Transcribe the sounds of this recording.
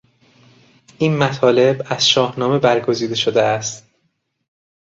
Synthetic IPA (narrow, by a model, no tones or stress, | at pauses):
ʔiːnmæt̪ʰɒːle̞bæz̥ʃɒːhnɒːme̞bæɾɡo̞ziːd̪e̞ʃod̪eæst̪